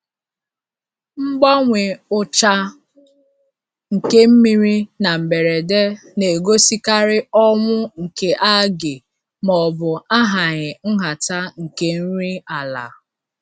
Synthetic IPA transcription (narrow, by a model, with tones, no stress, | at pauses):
ŋ͡m̩˦ɡ͡ba˦ŋʷe˨ʊ˦t͡ʃa˦ | ŋ̩˨ke˦m̩˦mi˨ɾi˦na˨m̩˨me˨ɾe˨de˦ | ne˨ɡo˦si˦ka˦ɾɪ˦ɔ˦ŋʷʊ˦ŋ̩˨ke˨ʔa˦ɡɪ˨ | mɔ˨bʊ˨a˦ɦa˨ɲɪ˨n̩˦ɦa˨ta˦ŋ̩˨ke˦n̩˦ɾi˦a˨la̰˨